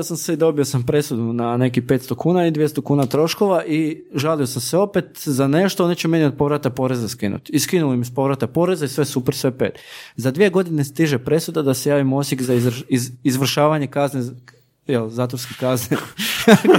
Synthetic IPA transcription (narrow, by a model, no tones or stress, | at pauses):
osamseid̪o̞bio̞sampɾe̞sud̪unane̞kipe̞t̪st̪o̞kuːnaid̪ʋjest̪okuːnat̪ɾo̞ʃko̞ʋaʔi | ʒalio̞samseo̞pet̪zane̞ʃt̪oonet͡ɕeme̞nio̞d̪̚po̞ʋɾat̪apo̞ɾe̞zaskinṵt̪iskinulomispo̞ʋɾat̪apo̞ɾe̞zaisʋesupeɾsʋe̞pḛːt̪zad̪ʋije̞ɡo̞d̪ine̞st̪iʒepɾe̞sud̪ad̪asejaːʋimosjekzaziizʋr̩ʃaːʋaɲe̞kazne | jelzaːt̪ʋoɾskekazne